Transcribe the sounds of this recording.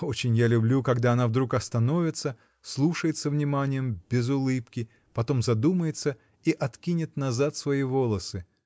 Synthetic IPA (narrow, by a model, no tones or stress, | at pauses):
o̞t͡ɕɪnʲjalʲʊblʲukɐɡd̪aɐnavd̪ɾukɐst̪ɐno̞vʲɪt̪sə | slˠuʂəjɪt̪səvnʲɪmanʲɪjəmb̥ʲɪzʊlˠɨpkʲɪ | pɐt̪o̞mzɐd̪uməjɪt̪sə | iʔɐt̪kʲinʲɪt̪nɐzat̪svɐivo̞lˠəsɨ